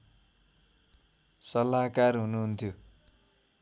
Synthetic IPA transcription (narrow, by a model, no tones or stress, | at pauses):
sʌlakarɦunuɦunt̪ʰjo